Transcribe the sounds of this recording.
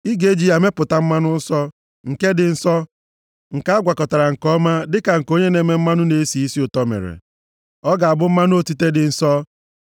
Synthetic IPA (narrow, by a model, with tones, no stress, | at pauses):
i˦ɡe˦d͡ʒi˦ja˨me˦pʊ˨ta˦m̩˦ma˦nʊ˦n̩˦sɔ˦ | ŋ̩˨ke˦dɪ˨n̩˦sɔ˦ | ŋ̩˨ka˦a˦ɡʷa˨kɔ˨ta˨ɾa˨ŋ̩˨kɔ˦ma˦dɪ˦ka˨ŋ̩˨ko˦ɲe˦ne˨˦me˨m̩˦ma˦nʊ˦ne˦si˨i˦si˦ʊ˨tɔ˦mḛ˨ɾḛ˨ | ɔ˦ɡa˨a˨bʊ˦m̩˦ma˦n˦o˦ti˦te˦dɪ˨n̩˦sɔ˦